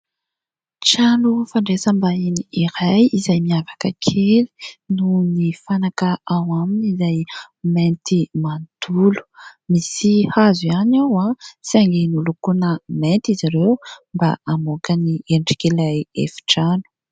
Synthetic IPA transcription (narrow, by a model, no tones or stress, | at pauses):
ʈ͡ʂalufaɳɖ͡ʐesəmbainiiɾajizajmiavakəkʰeli̥nunifanakəawaminizaj | ment̪imand̪ulu̥misihazuanawasiaŋɡenulukunəment̪izaɾewmba̰amokənieɳɖ͡ʐi̥kelajefi̥ʈ͡ʂanu̥